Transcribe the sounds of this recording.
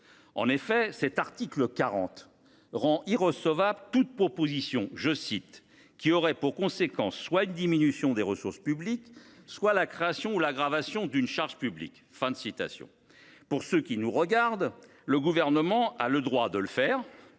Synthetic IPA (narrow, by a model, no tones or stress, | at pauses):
ɑ̰̃nefɛsɛt̪aʁt̪ikləkaʁɑ̰̃t̪ | ʁɑ̃ʔiʁəsɔvablt̪ut̪̚pχɔpozisjɔ̃ʒəsit̪ | kʲiɔʁɛpuʁkɔ̃sekɑ̃sːwaynd̪iminysjɔ̃d̪eʁəsuʁspyblikswalakχeasjɔ̃ulaɡʁavasjɔ̃d̪ynʃaʁʒpyblḭk | fɛ̃d̪əsit̪a̰sjɔ̰̃ | puʁsøkʲinuʁəɡaʁd̪ | ləɡuvɛʁnəmɑ̃a̰ləd̪ʁwad̪ələfɛːʁ